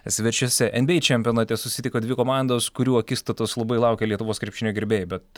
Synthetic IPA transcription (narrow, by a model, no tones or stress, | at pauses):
sʲʋʲɪɾʲt͡ʃʲusʲɛʔɛnʲbʲeɪt͡ʃʲɛmʲpʲonɑːt̪ʲɛsʊsʲɪt̪ʲɪkoːd̪ʲʋʲɪkoːmɑˑnd̪oːskʊɾʲuːɐkʲist̪ot̪oslˠɐbɐɪlˠɑʊkʲɛlʲiɛt̪ʊʋoːskɾʲɛpʲʃʲɪnʲoːɡʲɪɾʲbʲeːjbʲɛt̪